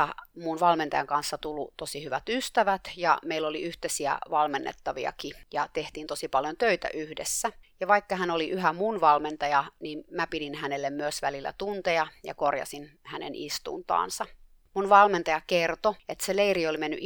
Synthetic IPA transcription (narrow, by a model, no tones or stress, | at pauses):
ɑmunʋɑlment̪ɑjɑŋkɑnsːɑt̪ulːut̪osihyʋæt̪yst̪æʋæt̪jɑ̰meilːoliyht̪esiæ̰ʋɑlmenːḛt̪ːɑʋḭɑ̰kijɑt̪eht̪iːnt̪osipɑljont̪øit̪æ̰ʔyhdḛsːæjɑʋɑikːɑɦænoliʔyɦæmunʋɑlment̪ɑjɑnimmæpiɾinhænelːemmyøsʋælilːæ̰t̪unt̪ejɑjɑ̰korjɑ̰sinhænḛnʔḭst̪ṵnt̪ɑ̰ːnsɑ | munʋɑlment̪ɑjɑkert̪oet̪seleiriolimenːyʔ